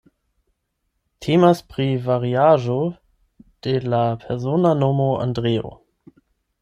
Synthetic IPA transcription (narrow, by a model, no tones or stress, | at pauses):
tʰeːmaspʁ̥ivaʁiaːʒo | d̥ɛlapʰɛɐzoːnanoːmoa̰ndʁeːo̰